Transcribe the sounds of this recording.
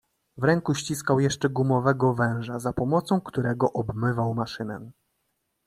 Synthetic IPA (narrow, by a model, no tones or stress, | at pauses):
vɾɛŋkuɕt͡ɕiskawjɛʂt͡ʂɛɡumɔvɛɡɔvɛ̃w̃ʐazapɔmɔt̪sɔ̃w̃kt̪uɾɛɡɔʔɔbmɘvawmaʂɘnɛ̰